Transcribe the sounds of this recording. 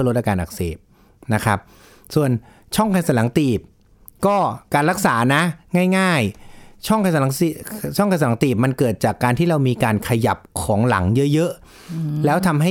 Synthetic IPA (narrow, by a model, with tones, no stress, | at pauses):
lo˦t̪̚ʔa˧kaː˧nʔa˨˩k̚sḛː˨˩p̚ | na˦˥kʰɾa˦˥p̚ | su˨˩ən | t͡ɕʰɔ˥˩ŋkʰa˧nsa˧˩˦la˩˦ŋt̪iː˨˩p̚ | kɔː˥˩kaː˧nɾa˦˥k̚saː˩˦na˦˥ŋaː˥˩jŋaː˥˩jt͡ɕʰɔ˥˩ŋkʰa˧nsa˧la˩˦ŋi˨˩t͡ɕʰɔ˥˩ŋkʰa˧sa˧˩a˩˦ŋt̪iː˨˩p̚ma˧nkɤː˨˩t̪̚t͡ɕaː˨˩kːaː˧nt̪ʰiː˥˩ɾa˧wmiː˧kaː˧nkʰa˧ja˨˩p̚kʰɔː˩˦ŋla̰˩˦ŋjɤ˦˥ʔjɤ˦˥ʔ | lɛː˦˥wt̪ʰa˧mɦa˥˩